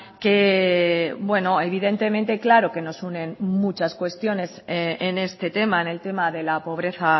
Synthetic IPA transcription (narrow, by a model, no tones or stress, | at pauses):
ke̞ | bwe̞noeβ̞iðe̞nt̪e̞ment̪e̞klaɾo̞ke̞no̞sunẽ̞nmut͡ʃaskwe̞st̪jo̞ne̞sene̞st̪e̞t̪e̞maene̞lt̪e̞maðe̞lapo̞β̞ɾe̞θa